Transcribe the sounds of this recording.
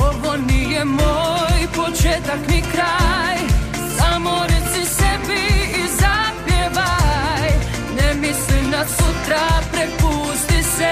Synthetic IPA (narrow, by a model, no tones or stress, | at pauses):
oʋonijɛmojpot͡ʃɛt̪aknikɾaj | samoɾɛt̪sisɛbiːzapjɛʋaj | nɛmislimnasut̪ɾapɾɛpust̪isɛ